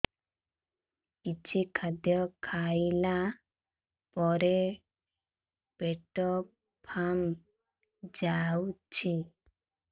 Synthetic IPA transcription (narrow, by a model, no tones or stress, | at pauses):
kit͡ʃʰikʰad̪jɔkʰajla | pɔɾe | peʈɔ | pʰam | d͡ʒawt͡ʃʰi